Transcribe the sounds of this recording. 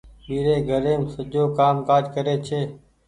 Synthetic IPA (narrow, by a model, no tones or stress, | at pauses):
miːɾeːɡʱəɾẽːmsəd͡ʒoːkaːmkaːd͡ʒkəɾeːt͡ʃʰeː